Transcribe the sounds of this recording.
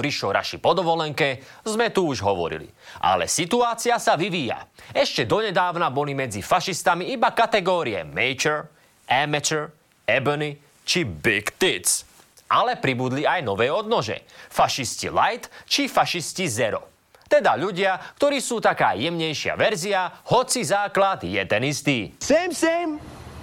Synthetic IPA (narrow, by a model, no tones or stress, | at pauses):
ɾiʃɔɾʔa̰ʃipɔd̪ɔʋɔlɛŋkɛzmɛt̪uuʒɦɔʋɔ̰ɾḭlḭ | ʔa̰lɛ̰sit̪uaːt͡siasaʋiʋiːja̰ɛʃcɛd̪ɔɲɛd̪aːʊnabɔlimɛd͡zifaʃist̪amiibakat̪ɛɡɔːɾiɛ̰mɛjt͡ʃɛɾ | ʔɛmɛt͡ʃɛɾ | ɛbɔni | t͡ʃibikt̪it͡s | ʔa̰lɛpɾibud̪liajnɔʋɛːɔd̪nɔʒɛ̰faʃiscḭlajt̪t͡ʃifaʃiscizɛɾɔ̰ | t̪ɛd̪aʎuɟɪakt̪ɔɾiːsuːt̪aka̰ːjɛmɲɛjʃɪa̰ʋɛɾziahɔt͡sizaːklad̪jɛ̰t̪ɛnist̪iːsɛːmsɛm